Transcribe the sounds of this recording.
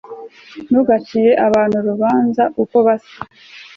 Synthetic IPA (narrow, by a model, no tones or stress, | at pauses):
nuɡat͡ʃije̞ʔaβaːnhuɾuβaːnzaʔuko̞βasḁ